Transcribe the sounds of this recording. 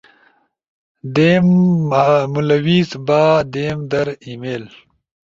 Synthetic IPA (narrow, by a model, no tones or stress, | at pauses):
d̪eːm | mulɐwiːzbaːd̪eːmd̪ɐɾimeːl